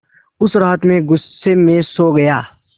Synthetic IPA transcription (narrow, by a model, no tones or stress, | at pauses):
ʊsɾaːt̪mẽɡʊsːemẽsoːɡɐjaː